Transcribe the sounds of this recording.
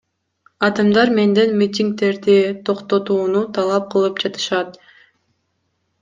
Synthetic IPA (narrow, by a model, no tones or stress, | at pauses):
ɑt̪ɯmd̪ɑɾme̞nd̪enmʲit̪ʲiŋk̚t̪e̞ɾd̪it̪ʰo̞qt̪o̞t̪uːnut̪ʰɑlˠɑp̚qʰɯlˠɯpd͡ʒɑt̪ɯ̥ʃɑt̪